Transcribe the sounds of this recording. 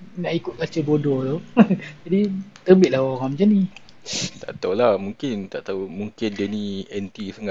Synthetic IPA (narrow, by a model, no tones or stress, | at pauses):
naʔikʊt̪̚kat͡ʃəbodɔt̪od͡ʒadit̪əbɪt̪̚lahoɣamd͡ʒani | t̪a̰ʔt̪awlamuŋkɪnt̪aʔt̪aumuŋkɪndɛniɛnt̪isəŋaʔ